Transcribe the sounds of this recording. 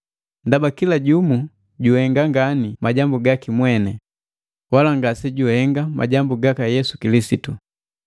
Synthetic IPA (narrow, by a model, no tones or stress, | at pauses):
ndabakilaɟumu | ɟuhɛŋɡaŋɡanimaɟambuɡakimwɛnɛ | walaŋɡasiɟuhɛŋɡamʔa̰ɟambuɡakajɛsu̥kilisitu